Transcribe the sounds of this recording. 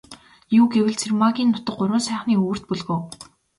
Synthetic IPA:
juːɡewɘ̆ɮt͡sʰermaɣʲiːnːʊt̪ə̆qɢʊɾwə̆nsæːχniːuːr̥t̪̚pɵɮɣoː

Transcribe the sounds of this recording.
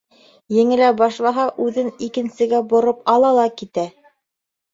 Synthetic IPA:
jɘ̆ŋɘ̆læbɑʃlˠɑɦɑʔʉðɘnikɘ̆nsɘ̆ɡæbŏɾɤpɑlˠɑlˠɑkit̪æ

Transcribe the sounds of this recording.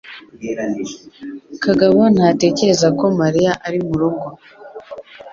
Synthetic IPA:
kaɡaβon̥hate̞ːce̞ɾe̞zako̞maɾijaʔaɾimuɾoɡo

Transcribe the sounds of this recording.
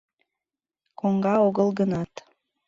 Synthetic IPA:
koŋɡɑoɣəlˠɡənɑt̪

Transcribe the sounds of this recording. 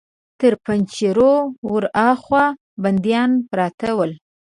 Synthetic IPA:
t̪əɾpant͡ʃiɾowəɾɑxwa | band̪jɑnpɾɑt̪awəl

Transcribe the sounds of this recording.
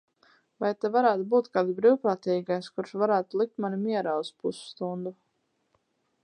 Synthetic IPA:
vajt̪ɛvaɾæːt̪ubuːt̪kaːd̪zbɾiwpɾaːt̪iːɡajskuɾʃvaɾæːt̪ulˠik̚t̪manimiɛɾaːuspusu̥st̪und̪u

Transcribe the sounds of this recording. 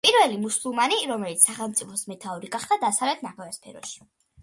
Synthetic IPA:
pʼiɾvɛlimusulˠmaniɾɔmɛlit̪ssaχɛlˠmt̪sʼipʰɔsmɛt̪ʰauɾiɡaχd̪ad̪asavlɛt̪ʰnaχɛvaspʰɛɾɔ̰ʃi̥

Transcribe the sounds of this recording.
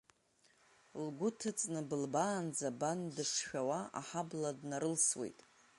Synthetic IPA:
lɡʷʊtʰɨt͡sʼnɨbɨlbaːnd͡zabandɨʂʃᶣawaa̰ħabladnaɾɨlswe̞̰jtʼ

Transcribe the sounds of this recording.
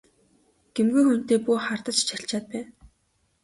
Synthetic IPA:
ɡ̥emɡujxun̥t̪eːpuːχart̪ə̆t͡ɕt͡ɕʰaɬt͡ɕaːt̪̚pæː

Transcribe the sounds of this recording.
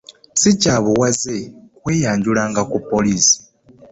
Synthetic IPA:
sicaːβuwazekwe̞ːjaːɲɟulaːŋɡakupːo̞liːsi̥

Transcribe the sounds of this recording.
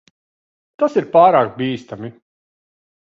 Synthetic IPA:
t̪asiɾpaːɾaːkbiːst̪ami

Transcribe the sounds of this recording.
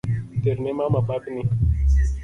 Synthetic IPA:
t̪eɾnemamapakni

